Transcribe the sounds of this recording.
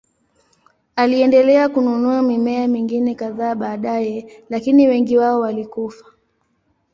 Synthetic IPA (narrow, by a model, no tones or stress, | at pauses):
aliɛndɛlɛakununuamimɛamiŋɡinɛkaðaːɓaːɗajɛlakiniwɛŋɡiwaɔwalikufḁ